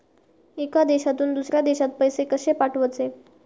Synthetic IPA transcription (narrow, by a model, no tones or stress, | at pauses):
ekad̪eɕat̪uːnd̪usɾjad̪eɕat̪̚pəjsekəɕepaʈʰʋət͡se